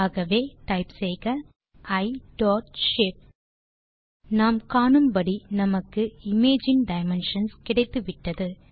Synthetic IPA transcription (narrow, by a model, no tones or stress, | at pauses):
aːɣɐʋeːʈɐɪpsɛjɣɐ | ɐɪɖɔːʈʃɛp̚ | naːmkaːɳɯmbɐɽinɐmɐkːɯɪmeːd͡ʒɪnɖɐɪmɛnʂɐnskɪɽɐɪt̪ːɯʋɪʈːɐðɯ